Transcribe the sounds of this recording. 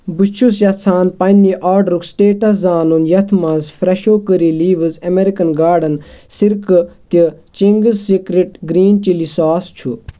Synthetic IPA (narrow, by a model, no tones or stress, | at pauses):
but͡ʃʰusjɐt͡sʰaːnpɐniʔaːɾɖɾuksʈeːʈɐszaːnunjɐt̪ʰmɐzfɾɐʃoːkəɾiliːʋɨzɐmeɾikɐnɡaːɖɐnsiɾkt̪it͡ʃiŋɡɨzsikɾiʈɡɾiːnt͡ʃilisaːst͡ʃʰu